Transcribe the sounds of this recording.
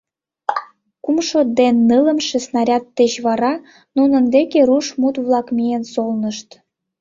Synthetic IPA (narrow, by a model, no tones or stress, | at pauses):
kumʃod̪enːɯlə̆mʃĕsnɑɾʲɑt̪ːeɕβɑɾɑ | nunənd̪ekeɾuʃmut̪βlɑkmiensolnəʃt̪